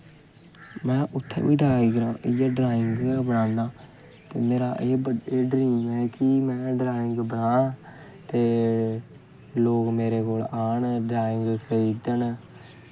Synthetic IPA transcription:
mɛ̃ːʔʊt̪ʰːḛ̃ːʋiːɖaːiɡɾãːɪjaɖɾaːɪŋɡbəɽãːnaː | t̪eːmeːɾa̰ːʔeːbəɖeːɖɾiːmɛːkɪmɛ̃ːɖɾaːɪŋɡbəɳãː | t̪eː | loːkmeːɾeːkoːlaːɳɖɾaːɪŋɡkʰəɾiːd̪ən

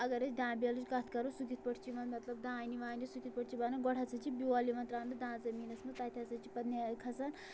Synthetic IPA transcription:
ɐɡɐɾɐt͡ʃd̪ãːbʲialut͡ʃkɐt̪ʰkɐɾosukit̪̚pɐʈʰt͡ʃʰiʋɐnmɐt̪lɐb̚d̪ãːniʋaːnisukʰit̪̚pɐʈʰt͡ʃʰibaːnɐɡɔʈʰat͡sɐt͡ʃʰibiwaːliʋɐnt̪ɾãːnd̪ɐd̪ãːzɐmiːnɐsmɐt̪at̪ʰʲjat͡sɐt͡ʃʰi̥pɐd̪nʲakʰɐt͡san

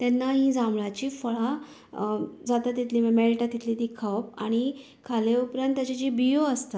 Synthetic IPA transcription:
t̪anːaɦĩːd͡zamɭat͡ɕiːfəɭa | d͡zat̪at̪ːit̪liːmemelʈat̪ːit̪ʰliːt̪ikʰaʋpa̰ɽ̃i | kʰaleupɾant̪ːjat͡ɕad͡ʑibijoəst̪at̪

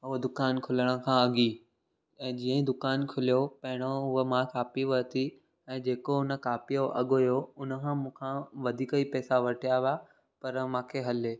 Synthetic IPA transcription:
ʊɦod̪ʊkaːnkʰʊləɽ̃ə̆kʰãɐɠi | ɛ̃ːd͡ʑiːə̃d̪ʊkaːnkʰʊlijopɐɦɪɽ̃oʊɦəmãkaːpiʋɐt̪ʰi | ɛ̃ːd͡ʑeːkoʊnə̆kaːpijoʔɐɠojoʊnə̆kʰãːmũːkʰãʋɐd̪ʱiːkəipɛːsaʋɐʈʰijaʋɪja | pɐɾmãːkʰeɦɐleː

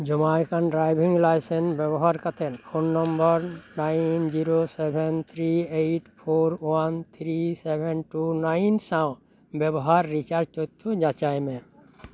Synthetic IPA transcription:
d͡ʒɔmajkʰanɖɾajbʱiŋɡlajsenbɛbɔɦaɾkat̪ʰenpʰonːɔmbɔɾnaɪnd͡ʒiɾosebʱent̪ʰɾiejʈpʰoɾwant̪ʰɾisebʱenʈunaɪnsãʊ̃ | bɛbɔɦaɾːit͡ʃaɾd͡ʒt͡ʃot̪ʰːud͡ʒat͡ʃajmẽ

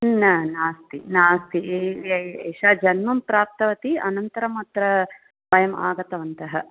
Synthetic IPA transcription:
nɐnaːst̪inaːst̪iɐeːʃaːd͡ʒɐnmɐmpɾaːp̚t̪ɐʋɐt̪iɐnɐnt̪ɐɾɐmɐt̪ɾɐ | bɐjɐma̰ːɡɐt̪ɐʋɐnt̪ɐɦɐ

